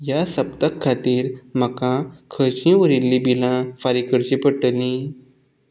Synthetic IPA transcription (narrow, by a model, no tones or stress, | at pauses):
jasəpt̪əkʰːat̪iːɾm̤əkãkʰət͡ɕĩʋəɾilːibilãfaɾikəɽt͡ɕipəʈəlĩ